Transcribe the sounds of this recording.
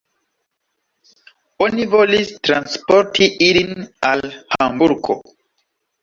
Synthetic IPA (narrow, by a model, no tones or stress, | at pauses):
onivo̞listɾanspo̞ɾtʰiʔilinalhambuɾɡo̞̰